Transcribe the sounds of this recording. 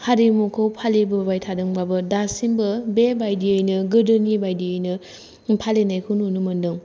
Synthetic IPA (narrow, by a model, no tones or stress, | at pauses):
haɾimukʰɯwpʰalebɯbajtʰadɯŋbabɯdasimbɯbebajdiɯjnɯɡɯdɯnibajdiɯjnɯ | pʰalenajkʰɯnunɯmɯndɯŋ